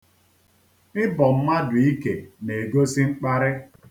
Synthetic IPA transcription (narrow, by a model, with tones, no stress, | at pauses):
ɪ˦bɔ˨m̩˦ma˦dʊ˨i˦ke˨ne˨ɡo˦si˦ŋ͡m̩˦k͡pa˦ɾɪ˦